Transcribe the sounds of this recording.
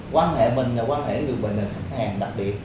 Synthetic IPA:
kwaː˧nhḛ˧˨mï˨˩ŋ̟laː˨˩kwaː˧nhḛ˧˩ŋɨ˨˩əjɓḛ˨˩ŋ̟ɗə˨˩xa˦˥k̚haː˨˩ŋɗa˨˩k̚ɓi˨˩ət̚

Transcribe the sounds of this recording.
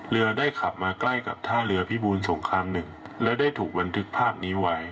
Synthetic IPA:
ɾɯ˧ɐdaː˥˩jkʰa˨˩p̚maː˧kla˥˩jka̰˨˩p̚t̪ʰaː˥˩ɾɯ˧ɐpʰiː˥˩buː˧nso˩˦ŋkʰɾaː˧mnɯ˨˩ŋlɛ˦˥wdaː˥˩jt̪ʰuː˨˩k̚ba˧nt̪ʰɯ˦˥k̚pʰaː˥˩p̚niː˦˥wa˦˥j

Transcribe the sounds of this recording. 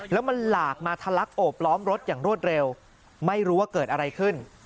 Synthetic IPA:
lɛ˦˥wma˧nlaː˨˩k̚maː˧t̪ʰa˧la˦˥k̚ʔoː˨˩p̚lɔː˦˥mɾo˦˥t̪̚jaː˨˩ŋɾu˥˩ət̪̚ɾe˧w | ma˥˩jɾuː˦˥waː˥˩kɤː˨˩t̪̚ʔa˧ɾa˧jkʰɯ˥˩n

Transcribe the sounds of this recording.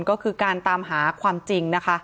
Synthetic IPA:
nkɔː˥˩kʰɯː˧kaː˧nt̪aː˧mɦaː˩˦kʰwaː˧mt͡ɕi˧ŋna˦˥kʰa˦˥

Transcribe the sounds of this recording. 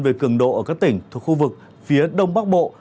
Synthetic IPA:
nve˨˩kɨ˧˩əŋɗo̰˧˨ʔəː˧˩kaː˦˥k̚t̪ï˧˩ŋ̟t̪ʰu˨˩kxu˧vɨ˨˩k̚ | fi˨˦əɗə˧wŋ͡mɓaː˦˥k̚ɓo̰˧˨

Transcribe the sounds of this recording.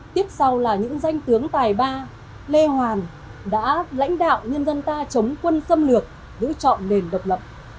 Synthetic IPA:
t̪i˦˥əp̚sa˧wlaː˨˩ɲɨ̰˧˥ŋza˧jŋ̟t̪ɨ˨˦əŋt̪aː˨˩jɓaː˧ | le˧hwaː˨˩n | ɗa̰ː˧˥la̰˧˥jŋ̟ɗa̰ː˧˨wɲə˧nzə˧nt̪aː˧t͡ɕə˨˦wŋ͡mkwə˧nsə˧mlɨ˨˩ək̚ | zɨ̰˧˥t͡ɕɔ̰˧˨nne˨˩nɗə˨˩wk͡p̚lə̰˨p̚

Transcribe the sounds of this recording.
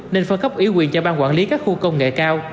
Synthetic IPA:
ne˧nfə˧nxə˦˥p̚ʔi˨˦kwi˧˩ət͡ɕɔ˧ɓaː˧nkwaː˧˩nli˨˦kaː˦˥k̚xu˧kə˧wŋ͡mŋḛ˧˨kaː˧w

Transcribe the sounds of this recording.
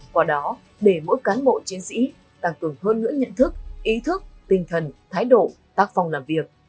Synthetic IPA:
kwaː˨˩ɗɔ˨˦ | ɗe˧˩mo̰˧˥jkaː˨˦nɓo̰˧˨t͡ɕi˨˦ənsḭ˧˥ | t̪a˧˩ŋkɨ˨˩əŋɦəː˧nːɨ̰˧˥əɲə̰˧˨nt̪ʰɨ˦˥k̚ʔi˨˦t̪ʰɨ˦˥k̚t̪ï˨˩ŋ̟t̪ʰə˨˩nt̪ʰaː˨˦jɗo̰˧˨ | t̪aː˦˥k̚fa˧wŋ͡mlaː˨˩mvi˨˩ək̚

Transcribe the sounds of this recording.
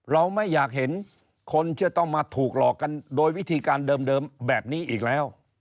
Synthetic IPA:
ɾa˧wma˥˩jːaː˨˩k̚ɦe˩˦n | kʰo˧nt͡ɕʰɯ˥˩ət̪ɔ˥˩ŋmaː˧t̪ʰuː˨˩k̚lɔː˨˩kːa˧ndoː˧jwi˦˥t̪ʰiː˧kaː˧ndɤː˧mdɤː˧mbɛː˨˩p̚niː˥˩ʔiː˨˩k̚lɛː˦˥w

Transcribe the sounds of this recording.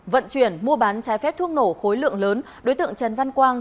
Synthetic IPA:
və̰˧˨nt͡ɕwi˧˩ənmu˧əɓaː˨˦nt͡ɕaː˨˦jfɛ˦˥p̚t̪ʰɨ˧əŋno˧˩xo˨˦jlɨ̰˧˨əŋləː˨˦n | ɗo˨˦jt̪ɨ̰˧˨əŋt͡ɕɛ˨˩nva˧nkwaː˧n

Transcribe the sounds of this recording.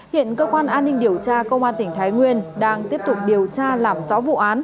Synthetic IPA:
hḭ˧˨ənkəː˧kwaː˧nʔaː˧nːï˧ŋ̟ɗi˨˩əwt͡ɕaː˧kə˧wŋ͡mʔaː˧nt̪ï˧˩ŋ̟t̪ʰaː˨˦jŋwi˧ənɗaː˧ŋt̪i˦˥əp̚t̪ʊ˨˩k͡p̚ɗi˨˩əwt͡ɕaː˧laː˨˩mzɔ̰˧˥vṵ˧˨ʔaː˨˦n

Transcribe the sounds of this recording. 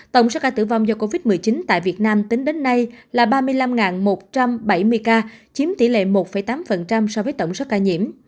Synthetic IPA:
t̪ə̰˧˨wŋ͡mso˦˥kaː˧t̪ɨ̰˧˩va˧wŋ͡mzɔ˧ko˧vi˦˥t̚mɨ˨˩əjt͡ɕi˨˦nt̪a̰ː˧˨jvi˨˩ət̚naː˧mt̪i˨˦ŋ̟ɗe˨˦nːa˧jlaː˨˩ɓaː˧mɨ˧əjla˧mŋaː˨˩nmo˨˩t̚t͡ɕa˧mɓa˧˩jmɨ˧əjkaː˧t͡ɕi˨˦əmt̪ḭ˧˩lḛ˧˨mo˨˩t̚fə˧˩jt̪aː˨˦mfə˨˩nt͡ɕa˧msɔ˧vəː˨˦jt̪ə̰˧˩wŋ͡msɔ˦˥kaː˧˩ɲḭ˧˨əm

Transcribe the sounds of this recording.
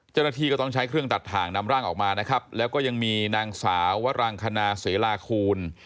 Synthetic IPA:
t͡ɕa˥˩wna˧t̪ʰiː˧kɔː˥˩t̪ɔ˥˩ŋt͡ɕʰa˦˥jkʰɾɯ˥˩əŋt̪a˨˩t̪ʰːaː˩ŋna˧mɾaː˥˩ŋʔɔː˨˩k̚maː˧na˦˥kʰɾa˦˥p̚lɛː˦˥wkɔː˥˩ja˧ŋmiː˧naː˧ŋsaː˩˦wːa˦˥ɾaː˧ŋkʰa˧naː˧seː˨˩˦laː˧kʰuː˧n

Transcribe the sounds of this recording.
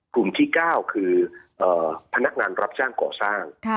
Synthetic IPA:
klu˨˩mt̪ʰiː˥˩kaː˥˩wkʰɯː˧ʔɤː˨˩pʰa˧na˦˥k̚ŋaː˧nɾa˦˥p̚t͡ɕaː˥˩ŋkɔ̰ː˨˩saː˥˩ŋʰ

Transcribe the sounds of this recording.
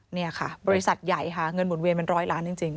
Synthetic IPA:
ni˥˩ɐkʰa̰˥˩bɔː˧ɾi˦˥sa˨˩t̪̚ja˨˩jkʰa˥˩ŋɤ˧nmu˨˩˦nwi˧npe˧nɾɔː˦˥˩jlaː˦˥nt͡ɕi˧ŋt͡ɕi˧ŋ

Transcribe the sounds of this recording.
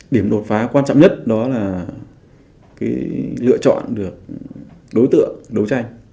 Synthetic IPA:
ɗi˧˩əmɗo˨˩t̚faː˨˦kwaː˧nt͡ɕɔ̰˧˨ŋ͡mɲə˦˥t̚ɗɔ˨˦laː˨˩ | kaː˨˦jlɨ̰˧˨ət͡ɕɔ̰˧˨nɗɨ˨˩ək̚ɗo˨˦jt̪ɨ̰˧˨əŋɗə˨˦wt͡ɕa˧jŋ̟

